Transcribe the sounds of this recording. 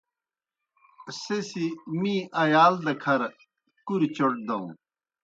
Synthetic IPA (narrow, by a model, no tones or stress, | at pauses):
sesimĩʔɐjaːld̪ɐkʰɐɾ | kuɾt͡ɕoʈ̚d̪ɐ̃ṵ̃